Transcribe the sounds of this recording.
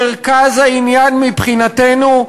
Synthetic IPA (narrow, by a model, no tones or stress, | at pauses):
eʁkazhainjanmipχinatenu